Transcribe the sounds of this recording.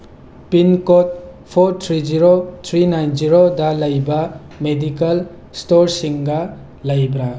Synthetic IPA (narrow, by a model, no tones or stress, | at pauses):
pinkot̚ | pʰoɾt̪ʰɾid͡ʒiɾot̪ʰɾinajnziɾodɐləjba | medikɐl | stoɾsiŋɡa | ləjbɾa